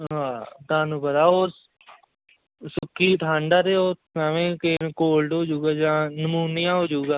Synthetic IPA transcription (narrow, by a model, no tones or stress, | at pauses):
ɦaːt̪ãːnũːpət̪aːoːɾ | sʊkʰːiːt̪ʰãːɳɖaːɾeːoːaːʋẽːkekoːlɖɦoːd͡ʒuːɡaːd͡ʒãːnəmuːnijãːɦoːd͡ʒuːɡaː